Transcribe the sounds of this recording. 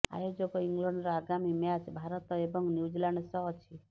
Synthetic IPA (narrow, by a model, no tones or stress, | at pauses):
a̰jod͡ʒɔkɔiŋɡlɔɳɖɾɔaɡamimjat͡ʃbʱaɾɔt̪ɔebɔŋnjud͡ʒilaɳɖsɔɦt͡ʃʰi